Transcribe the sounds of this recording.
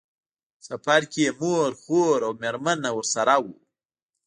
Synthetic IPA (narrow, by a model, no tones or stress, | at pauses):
sapaɾkemoɾxoɾawmeɾmanawəɾsaɾawu